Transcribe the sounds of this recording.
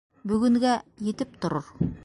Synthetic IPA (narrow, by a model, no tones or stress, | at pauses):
bɵ̆ɡɵ̆ŋɡæjĕt̪ɘp̚t̪ŏɾoɾ